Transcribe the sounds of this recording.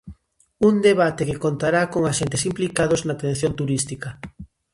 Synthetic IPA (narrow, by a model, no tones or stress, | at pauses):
und̪eβat̪ekɪkont̪aɾakoŋaʃent̪ɪsimplikaðoʊznat̪ẽn̟θjont̪uɾist̪ikɐ